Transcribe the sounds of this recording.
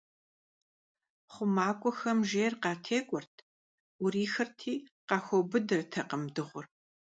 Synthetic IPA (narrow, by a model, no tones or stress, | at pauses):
χʷʊmaːkʷʼɔxɐmʒeːrqɑːtʰeːkʷʼɔrtʰ | uɾiːxɐrtʰiːqɑːxʷɔbɨdɨrtʰɐqəmdɨʁʷʊr